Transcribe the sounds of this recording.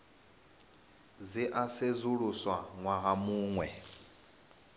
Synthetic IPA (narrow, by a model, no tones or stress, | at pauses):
d͡ziʔased͡zuɺuswaŋwaɦamuːŋwɛ